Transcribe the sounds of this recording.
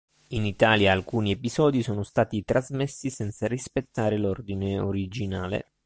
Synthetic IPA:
init̪aːljaːlkuːniɛpizɔːd̪isoːnost̪aːt̪it̪ɾazmesːisɛnt̪sarispet̪ːaːɾelord̪ineoɾid͡ʒinaːlḛ

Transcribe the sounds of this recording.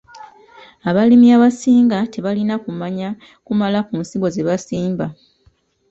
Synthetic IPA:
aβalimiaβasiːŋɡate̞βalinakumaɲa | kumalakunsiɡo̞ze̞βasiːmba

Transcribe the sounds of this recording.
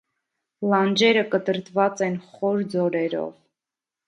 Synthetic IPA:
lɑnd͡ʒɛɾəkət̪əɾt̪vɑt͡sɛnχɔɾd͡zɔɾɛɾɔ̰v

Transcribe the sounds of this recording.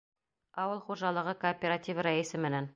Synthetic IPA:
ɒwɤlˠχuʒɑlˠɤ̆ʁɤkoːpʲeɾatʲivɾaisɘmɘ̆næn

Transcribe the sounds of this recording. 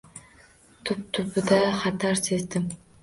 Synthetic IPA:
t̪ʰup̚t̪ʰupud̪ɑχɑt̪ɑɾsezd̪ɪm

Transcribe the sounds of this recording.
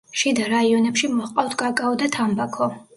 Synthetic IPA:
ʃid̪aɾaiɔnɛpʃimɔqʼaft̪ʰɡʼakʼaɔd̪at̪ʰambakʰɔ

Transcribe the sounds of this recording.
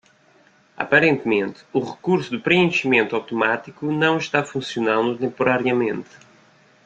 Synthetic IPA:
ɐ̰pɐɾẽnt̪mẽnt̪ɨ̥uʁɨkuɾsud̪upɾɨẽʃimẽnt̪uawt̪umat̪ikunɐ̃w̃ʃt̪afũsjunãnd̪ut̪ẽmpuɾaɾjiɐmẽnt̪

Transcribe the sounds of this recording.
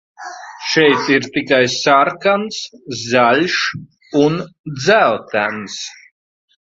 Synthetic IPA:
ʃɛjt̪iɾt̪ikajsaɾkanszalʲʃ | und̪zælt̪æns

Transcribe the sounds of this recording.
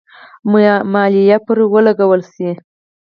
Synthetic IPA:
mmɑlijapəɾwəlaɡawəlsi

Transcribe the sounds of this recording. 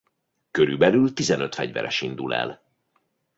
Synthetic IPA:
køɾybɛlylt̪izɛnøt̪fɛɟvɛɾʔɛʃind̪ulɛ̰l

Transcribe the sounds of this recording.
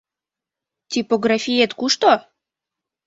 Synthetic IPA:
tʲipoɡɾafʲijet̪kuʃt̪o

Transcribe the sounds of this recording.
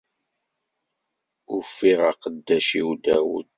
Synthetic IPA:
ʊfːiʁaqəd̪ːæʃiwd̪æwə̰d̪

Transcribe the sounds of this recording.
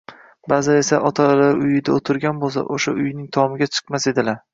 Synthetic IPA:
bazɪe̞saʔɒt̪ʰalaɾʊjɪd̪aot̪ʰɪɾɡʲanbolˠs̬a̰ʔoʃa̰ʊjnɪŋt̪ʰɒmɪɡʲat͡ʃʰɨ̥qmase̞d̪ɪlaɾ

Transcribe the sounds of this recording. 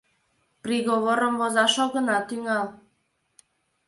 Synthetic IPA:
pɾiɣoβoɾomvozɑʃoɣə̆nɑt̪yŋɑlˠ

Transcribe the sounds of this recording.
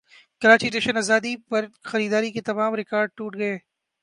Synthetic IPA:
kɐɾaːt͡ʃiʈeːʃənaːzaːd̪ipɐɾxɐɾiːd̪aːɾiket̪ɐmaːmɾɪkaːɾɖ̚ʈuːʈɡɐeː

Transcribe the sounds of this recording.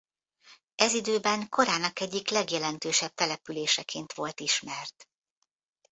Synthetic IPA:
ɛzid̪øːbɛŋko̞ɾaːnɒkɛɟːiklɛɡjɛlɛnt̪øːʃɛb̚t̪ɛlɛpyleːʃɛkʰeːnt̪ʋo̞lt̪iʃmɛrt̪

